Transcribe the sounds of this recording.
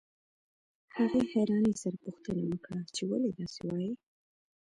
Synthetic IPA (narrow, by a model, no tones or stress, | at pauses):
haɣehaɾɑnesaɾapuxt̪ənawəkɽat͡ʃewaled̪ɑsewɑji